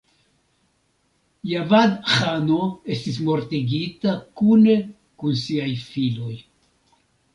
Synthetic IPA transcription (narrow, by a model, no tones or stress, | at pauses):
javadxanoe̞stis̬mo̞ɾtiɡitakune̞ | kunsiajfilo̞j